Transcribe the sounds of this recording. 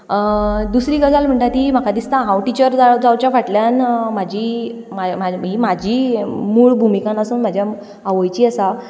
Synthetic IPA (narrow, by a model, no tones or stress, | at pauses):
əd̪usɾiːɡəd͡zalm̤əɳʈat̪iːm̤akad̪ist̪ãɦãwʈit͡ɕəɾd͡zad͡zawt͡ɕjafaʈljanmad͡ʑʱiː | mamaɦimad͡ʑʱiːmuːɭbʱumikãnəsuːnm̤ad͡ʑʱja | aʋəjt͡ɕiːəsa